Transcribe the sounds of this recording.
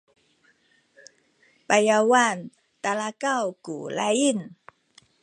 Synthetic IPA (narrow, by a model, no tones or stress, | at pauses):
pajawan | t̪alakawkṵlajin